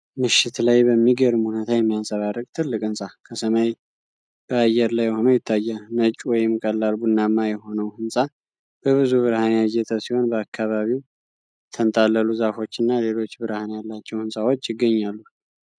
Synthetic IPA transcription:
mɨʃːɪt̪lajbəmːiɡəɾɨmhunet̪ʰajɛmːijasʼəβaɾəkʼt̪ʰɨlːɨkʼɨnsʼakʰəsəmaj | b̥əajɛɾlajːɛho̞nəwjɪt̪ʰːajːanət͡ʃʼuwɔjɛmːɨkʼəlːalbunːamːajɛho̞nəwhɨnsʼa | b̥əβɨzuβɨɾhanjajːɛt̪ʰəsiho̞nbəakʰːaβaβiw | t̪ʰənt̪ʼalːəluzafo̞t͡ʃːɨnːale̞lo̞t͡ʃːbɨɾhanjalːat͡ʃːɛwhɨnsʼawo̞t͡ʃːjɪɡːəɲːalːu

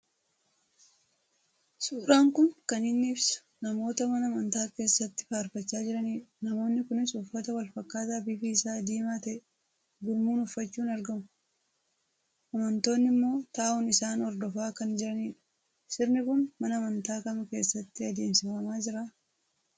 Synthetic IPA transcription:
suːɾaːŋkʊnkɐnɪnːiːfsʊ̥ | nɐmo̞ːt̪ɐmɐnɐmɐnt̪aːke̞ːsːɐt̪ːɪ̥faːɾfɐt͡ʃːaːd͡ʒɪɾɐniːnɐmo̞ːnːɪkʊnɪsʊfːɐt̪ɐwɐlfɐkːaːt̪aːbiːfiːɪsaːd̪iːmaːt̪ɐɛ | ɡʊlmuːnʊfːɐt͡ʃːuːnɐɾɡɐmʊ | ʔɐmɐnt̪o̞ːnːɪmːo̞ːt̪aːʔʊnɪsaːnɔɾd̪ɔfaːkɐnd͡ʒɪɾɐniːᶑɐ̥ | sɪɾnɪkʊnmɐnɐmɐnt̪aːkɐmɐke̞ːsːɐt̪ːɪɐd̪eːmsɪfɐmaːd͡ʒɪɾaː

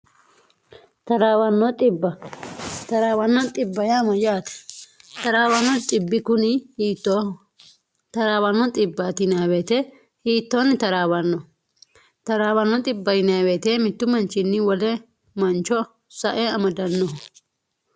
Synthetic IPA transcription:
tɐɾawɐnːɔt̪ɪbːɐ | t̪ɐɾaːwɐnːɔt̪ʼɪbːɐjaːmɐjaːt̪ɐ̥t̪ɐɾaːwɐnɔt̪ʼɪbːɪkʊnɪht̪ːɔ | t̪ɐɾaːwɐnːɔt̪ʼɪbːat̪ɪnaːweːt̪ɛ | hiːt̪ːɔnːɪt̪ɐɾaːwɐnːɔ | t̪ɐɾaːwɐnːɔt̪ʼɪbːɐjɪnaːweːt̪ɛmɪt̪ːʊmɐnt͡ʃːɪnːɪwɔlɛ | mɐnt͡ʃɔ | sɐʔɛɐmɐd̪ɐnːɔɦ

